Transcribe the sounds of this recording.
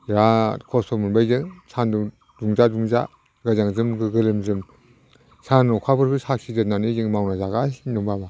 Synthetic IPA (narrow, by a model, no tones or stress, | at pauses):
ɾakʰɔsɔmɯnbajzɯŋsʰanduŋ | duŋzaduŋza | ɡazaŋzɯmɡɯɡɯlɯmzɯm | sʰanɔkʰabɯɾbɯsak̚sʰizɯnanizɯŋmawnazaɡasindɔŋbaba